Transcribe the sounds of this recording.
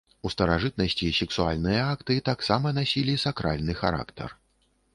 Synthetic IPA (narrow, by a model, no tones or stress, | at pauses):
ust̪ɐɾaʐɨt̪̚nɐsʲt͡sʲisʲɛksualʲnɨjɐakt̪ɨt̪aksamɐnasʲilʲisakɾalʲnɨxa̰ɾa̰kt̪ɛ̰r